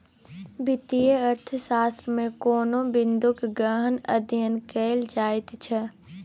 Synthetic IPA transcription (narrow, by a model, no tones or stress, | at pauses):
bɪt̪ijəɐɾt̪ʰəsaːst̪ɾəmẽkoːnõbɪ̃nd̪ʊkɡɾəɦənɐ̰d̪jənkeːld͡ʒaːɪt̪t͡ʃʰɛ